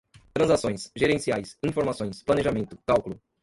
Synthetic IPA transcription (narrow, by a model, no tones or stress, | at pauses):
t̪ɾɐ̃zasõj̃sʒeɾẽsiajsĩfoɾmasõj̃splɐneʒamẽnt̪ʊkawkʊlʊ